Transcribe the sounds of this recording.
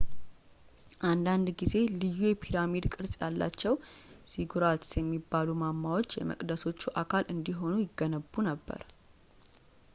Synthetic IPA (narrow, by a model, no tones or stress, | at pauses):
ʔand̪and̪ɡize̞lɨjːujɛpʰiɾamid̪kʼɨɾsʼjalːa̰t͡ʃːɛwsiɡuɾat̪sjɛmːibːalumamːawot͡ʃːjɛ̰mə̰kʼd̪əso̞t͡ʃːuʔakʰalʔɨnd̪iɦo̞nujɪɡːənəbːunəbːə̰ɾ